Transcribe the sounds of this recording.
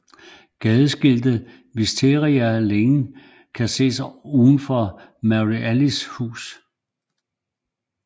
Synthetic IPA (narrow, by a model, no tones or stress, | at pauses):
ɡ̥ɛðˠəsɡ̥e̝l̰d̥ə | misd̥ʰe̝ʁiæleŋ | kʰæse̝̰ːsuːðˠn̩fɒmæʁiʔælishṵːs